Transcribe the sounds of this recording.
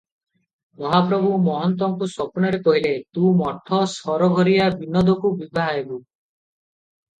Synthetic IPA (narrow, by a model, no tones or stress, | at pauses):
mɔɦapɾɔbʱumɔɦɔnt̪̬ɔŋkuswɔpɔnɔɾekɔɦilet̪ũmɔt̪ʰːɔsɔɾɔɡʱɔɾijabinɔd̪ʱɔkubibʱaɦaebu